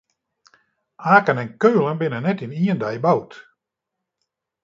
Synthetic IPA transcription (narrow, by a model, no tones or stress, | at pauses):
aːkənɛnkøːlˠənbɪnənɛtimiəndɛjbawt